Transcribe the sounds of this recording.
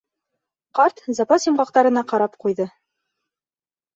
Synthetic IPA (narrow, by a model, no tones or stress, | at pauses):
qɑɾt̪zɑpɑsimɢɑq̚t̪ɑɾɤ̆nɑqɑɾɑpqujðɤ